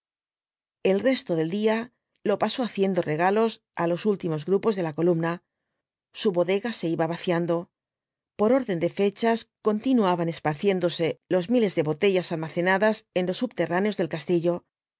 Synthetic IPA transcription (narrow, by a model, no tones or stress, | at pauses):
e̞lre̞st̪o̞ðe̞ld̪ia | lo̞paso̞aθje̞nd̪o̞re̞ɣ̞alo̞s | alo̞sult̪imo̞zɣɾupo̞zðe̞lako̞lumna | suβo̞ðe̞ɣase̞iβaβaθjand̪o̞ | po̞ɾo̞ɾðe̞nd̪e̞fe̞t͡ʃasko̞nt̪inuaβane̞spaɾθje̞nd̪o̞se̞lo̞zmile̞zðe̞βo̞t̪e̞ʝasalmaθe̞naðase̞nlo̞sːubt̪e̞raneozðe̞lkast̪iʎo̞